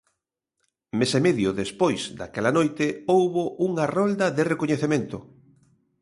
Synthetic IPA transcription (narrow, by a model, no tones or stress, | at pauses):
mesemeðjʊðespojz̥d̪akɛlanojt̪ɪowβoʔuŋarɔld̪ɐðɪrekoɲeθemẽnt̪ʊ